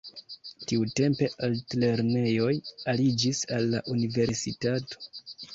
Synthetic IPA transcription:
tiute̞mpe̞ʔaltle̞ɾne̞jo̞jalid͡ʒisalːaʔunive̞ɾsitato̞̥

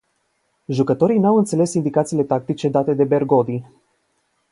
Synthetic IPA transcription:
ʒukət̪o̞ɾijnawɨnt̪sele̞sind̪ikat̪siːle̞t̪ak̚t̪it͡ʃe̞d̪at̪e̞d̪e̞be̞rɡo̞d̪i

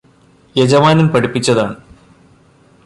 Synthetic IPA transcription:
jed͡ʑɐmaːnɐnpɐɽipːit͡ɕːɐðaːɳɨ

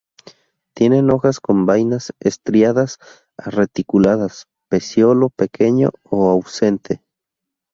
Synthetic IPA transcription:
t̪je̞neno̞xasko̞mbajnasest̪ɾjaðas | a̰ret̪ikulaðas | pesjolopekʰeɲo̰ːawsent̪ʰe

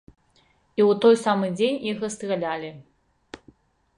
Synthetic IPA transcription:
iwt̪ɔjsamɨd͡zʲenʲixɐst̪ɣalʲalʲi

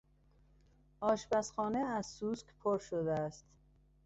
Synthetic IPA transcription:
ʔɒːʃbæsxɒːneæzsuːskpʰoɾʃod̪eæst̪

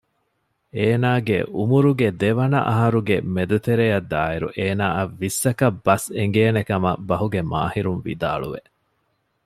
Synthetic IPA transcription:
eːnaːɡḛʔumuɾuɡed̪eʋɐnɐ̰ʔɐɦɐɾuɡemed̪ut̪eɾejɐd̪ːaːiɾṵʔeːnaːɐʋːisːɐkɐbːɐseŋ̆ɡeːnekɐmɐbɐɦuɡema̰ːhiɾunʋḭd̪a̰ːɭṵʋḛ

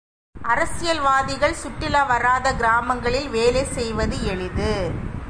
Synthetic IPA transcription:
ʔɐɾɐsɪjɐlʋaːðɪɣɐɭsʊʈːɪlɐʋɐɾaːðɐɡɪɾaːmɐŋɡɐɭɪlʋeːlesɛjʋɐðɯɛɭɪðɯ

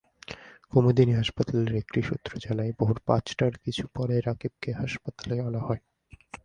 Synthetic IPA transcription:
komod̪iniɦaʃpat̪ʰaleɾekɾiʃṵt̪ːɾod͡ʑalaeboɦuɾpã̰t͡ɕʈaɾkit͡ɕʰu̥pɔɾeɾakib̚keɦaʃpat̪alealahɔe

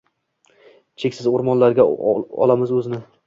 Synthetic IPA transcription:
t͡ʃʰekʲsɪzoɾmɒnlaɾɡʲaɒ̰lˠamɪzɵzɪnɪ

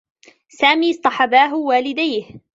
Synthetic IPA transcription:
saːmiːsˤt̪ˤɑħɑbaːɦʊwaːlɪd̪ajh

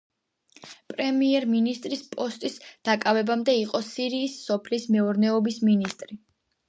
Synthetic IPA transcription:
pʼɾɛmiɛɾminist̪ʼɾispʼɔst̪ʼisd̪̥akʼavɛbamd̪ɛiqʼɔsiɾiːsːɔpʰlismɛuɾnɛɔbisminist̪ʼɾi

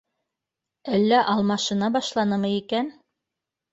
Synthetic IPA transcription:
ælːæʔɑlˠmɑʃɤ̆nɑbɑʃlˠɑnɤmɤikæn

